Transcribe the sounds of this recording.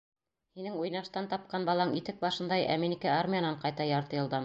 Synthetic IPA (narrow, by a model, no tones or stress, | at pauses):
hinɘŋujnɑʃt̪ɑnt̪ɑp̚qɑnbɑlˠɑŋit̪ɘk̚bɑʃɤ̆nd̪ɑjæ̰minikæarmʲijanɑɴqɑjt̪ɑjɑɾt̪ɤ̆jɤ̆lˠd̪ɤm